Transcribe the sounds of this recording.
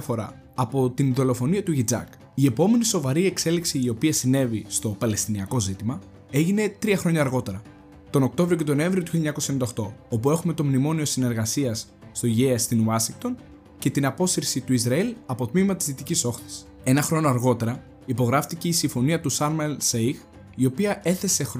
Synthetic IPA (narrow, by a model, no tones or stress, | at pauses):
fo̞ɾɐ̰ː | po̞t̪iniðo̞lo̞fo̞niɐt̪uʝid͡zɐ̰k | iepo̞me̞niso̞vɐɾie̞kse̞liksiːo̞piɐsine̞vist̪o̞pɐle̞st̪iniɐko̞zit̪imɐ | e̞ʝine̞t̪ɾiɐxɾo̞ɲɐːɾɣo̞t̪e̞ɾɐ | t̪o̞no̞k̚t̪o̞vɾioce̞t̪o̞no̞e̞ɱvɾiot̪uçiʎːɐɲɐkosɐenend̪ɐo̞xt̪o̞o̞pue̞xume̞t̪o̞mnimo̞nio̞sine̞ɾɣɐsiɐsː | t̪o̞iʝeɐst̪inwɐsiŋɡ̚t̪o̞n | ce̞t̪inɐpo̞siɾsit̪uizɾɐilɐpo̞t̪mimɐt̪izðit̪iciso̞xθi̥s | e̞nɐxɾo̞noɐɾɣo̞t̪e̞ɾɐ | ipo̞ɣɾɐft̪ice̞isiɱfo̞niɐt̪usɐɾmelsejɣ | io̞piɐʔe̞θe̞se̞x